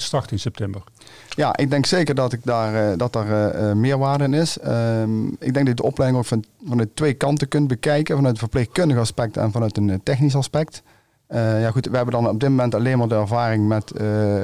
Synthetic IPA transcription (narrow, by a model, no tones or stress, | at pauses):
stɑɹtɪnsɛp̚tɛmbəɹ | ja̰ʔɪ̰ɡ̚dɛŋksejkəɹdɑtɪk̚daːrdɑtaːɹmɪːɹʋaːɹdəɪnɪsəɪ̰ɡ̚dɛŋɡ̚dɑtjɪɡdəɔplɛjdɪŋowkfvɑnœtːʋejkɑntəkɵntbəkɛjkənvɑnœɥtəvəɹplexkɵndəɣəɑspɛk̚tɛ̰nvɑnœɥtəntɛxnis̬ɑspɛkt | əjaːɣutʋəɦɛbəndɑnɔb̚dɪt̚momɛntɑlejnmaːɹdəɛɹvaːrɪŋmɛtə